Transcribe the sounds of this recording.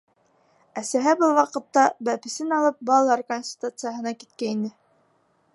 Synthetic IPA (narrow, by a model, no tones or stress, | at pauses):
æsæɦæbɤlˠwɑqɤ̆t̪ːɑbæpɘ̆sɘnɑlˠɤp̚bɑlˠɑɾkonʲsʲtʲɪ̥t̪ut̪sɨjəɦɤ̆nɑkit̪kæinɘ